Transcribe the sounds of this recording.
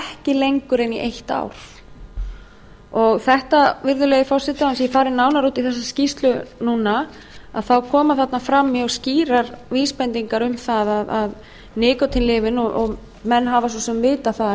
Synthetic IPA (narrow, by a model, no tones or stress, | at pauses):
ɛhcɪlejŋkʏɾeniʔejht̪a̰wɾ̥ | ɔɣθɛht̪avɪɾðʏleːjɪfɔr̥sɪt̪aansjɛfaːɾɪnaːwnaɾuːt̪ɪθɛsːascist̪lʏnuːna | a̰ðθawkʰɔːmaθat̪nafɾamːiɔɣsciːɾaɾviːspɛnt̪iŋkaɾʏmθaðaðað | nɪːkɔt̪ʰɪnlɪːvɪnɔʔɔɣ | mɛnːɦavas̬ɔsɛmvɪːt̪aθað